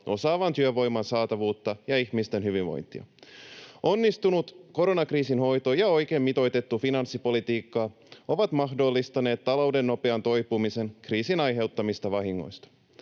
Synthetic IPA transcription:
ʔo̞sɑːʋɑnt̪yøʋo̞jmɑnsɑːt̪ɑʋuːt̪ːɑjɑiçmist̪e̞nɦyʋiʋʋo̞̰jnt̪ḭɑ̰ | o̞nːist̪unut̪ko̞ɾo̞nɑkriːsinho̞jt̪o̞jɑo̞jk̟e̞ːmːit̪o̞jt̪e̞t̪ːufinɑnsːipo̞lit̪iːkːɑː | o̞ʋɑt̪mɑɦdo̞lːist̪ɑne̞ːt̪tːɑlo̞wde̞nːo̞peɑnt̪o̞jpumise̞nkriːsinɑjɦe̞wt̪ːɑmist̪ɑʋɑɦiŋːo̰jst̪ɑ̥

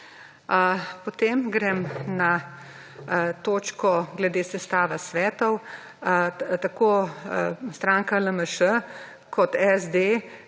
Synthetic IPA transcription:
pɔt̪eːmɡɾɛmna | t̪oːt͡ʃkɔɡlɛd̪eːsɛst̪aːʋasʋɛːt̪ɔw | t̪akoː | st̪ɾaːŋkaləməʃə | kʰɔt̪ɛzd̪e

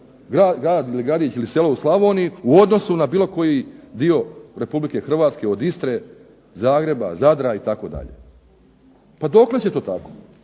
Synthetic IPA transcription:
ɡɾaːɡɾaːd̪iliɡɾad̪iːt͡ʃilise̞lo̞uslˠaʋoːnijuuo̞d̪no̞sunabiːlo̞ko̞jid̪io̞ɾe̞publike̞xr̩ʋaːt̪ske̞o̞d̪ist̪ɾe̞ | zaːɡɾe̞ba̰zad̪ɾait̪ako̞̰d̪a̰ʎḛ | pad̪o̞kle̞t͡ɕe̞t̪oːt̪ako

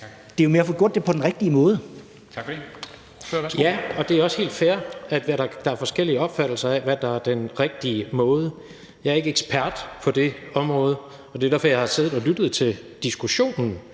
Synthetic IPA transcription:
d̥e̝jomeɐfɔɡ̥jo̰d̥e̝pʰɒ̽d̥enʁeɡ̥̚d̥iəmɔ̽ːð̞ˠə | t͡sʰ | jæɒ̽d̥e̝æɐɒ̽she̝̰ːld̥fæɐæ̥ʋæɾɑd̥ɑ̈æɐfɒ̽sɡ̥el̰iəɒ̽b̥fæd̥l̩sɐæʋæd̥ɑ̈æɐd̥enʁeɡ̥̚d̥iəmɔ̽ːð̞̩ˠə | jɑ̈ɪæɐe̝ɡ̥əeɡ̥spʰæɐ̰d̥pʰɒ̽d̥e̝ɒ̽mʁɔ̽ːð̞̩ˠə | ɒ̽d̥e̝dæɐfɒjɑhɑ̈se̝̰ːð̩ˠɒ̽lyd̥ð̞̩ˠt͡sʰe̝l | d̥isɡ̥uɕo̝̰ːnn̩

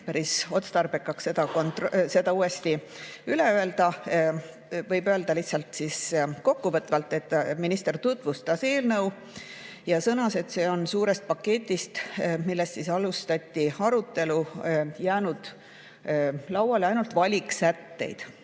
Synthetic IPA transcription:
pæɾiso̞t̪st̪ɑrbekːˑɑkse̞d̪ɑkont̪rse̞d̪ɑuːe̞st̪i | yle̞øe̞ld̪ɑ | vɤjbø̞ːld̪̥ɑliht̪sɑlt̪siːsko̞kːuvɤt̪ˑvɑlt̪ːˑe̞t̪ːˑminist̪e̞rt̪ut̪ːˑvust̪ɑseːlnɤw | jɑsɤnɑse̞t̪se̞ːo̞nsuːɾest̪̚pɑkːe̞t̪ʲːˑist̪milːest̪sisɑlust̪ɑt̪ʲːiɑɾut̪ːe̞lujæːnud̪̥ | lɑwwɑleɑjnult̪vɑlʲiksæt̪ːe̞̰jd̪̥

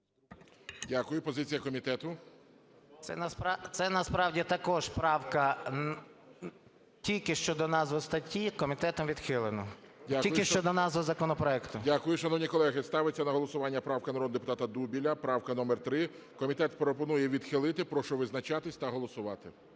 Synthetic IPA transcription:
dʲakʊjʊpɔzɪt͡sʲijɐkɔmʲit̪ɛt̪ʊ | t̪sɛ̰nɐsɑt̪sɛnɐspɾɑwdʲit̪ɐkɔʒpɾɑwkɐ | tʲilʲkɪʃt͡ʃɔd̪ɔnɑzʋɔst̪ɐtʲikɔmʲit̪ɛt̪ɔmʋʲid̪xɪlˠenɔ̰ | dʲakʲilʊjkɪʃt͡ʃɔd̪ɔnɑzɔzɐkɔnɔpɾɔɛkt̪ʊdʲakʊjʊʃɐnɔwnʲikɔlˠɛɦɪst̪ɑʋɪt͡sʲːɐnɐɦɔlˠɔsʊʋɑnʲːɐpɾɑwkɐnɐɾɔd̪d̪epʊt̪ɑt̪ɐd̪ubʲilʲɐpɾɑwkɐnɔmɛrt̪ɾɪ | kɔmʲit̪ɛt̪pɾɔpɔnujɛʋʲid̪xɪlˠɪt̪ɪpɾɔʃɔʋɪznɐt͡ʃɑt̪ɪsʲt̪ɐɦɔlˠɔsʊʋɑt̪ɪ

